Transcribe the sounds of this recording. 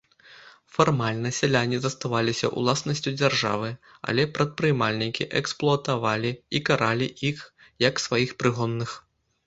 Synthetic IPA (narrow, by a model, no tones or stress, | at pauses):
farmalʲnɐsʲalʲanʲizɐst̪avalʲisʲɐ̰ʔṵlˠasnɐsʲt͡sʲud͡zʲarʐa̰vɨ | a̰lʲɛpɾɐt̪̚pɾɨjmalʲnʲikʲḭʔɛksplˠʊɐt̪avalʲiikaɾalʲiix | jɐksvajixpɾɨɣɔnːɨx